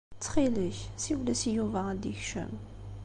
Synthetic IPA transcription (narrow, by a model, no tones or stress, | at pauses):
t͡sːχiləçsiwlæsijuvaəd̪içʃə̰m